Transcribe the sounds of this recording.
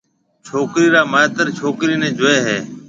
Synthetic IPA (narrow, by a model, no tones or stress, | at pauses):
t͡ʃʰoːkɾiːɾaːmaːet̪əɾt͡ʃʰoːkɾiːnẽːd͡ʒʊeːɦeː